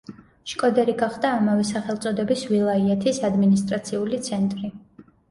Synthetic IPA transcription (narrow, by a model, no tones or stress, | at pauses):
ʃkʼɔd̪ɛɾiɡaχd̪aːmavɛsaχɛlˠt̪sʼɔd̪ɛbisvilˠaiɛt̪ʰisad̪minis̬t̪ʼɾat̪sʰiulit̪sʰɛnt̪ʼɾi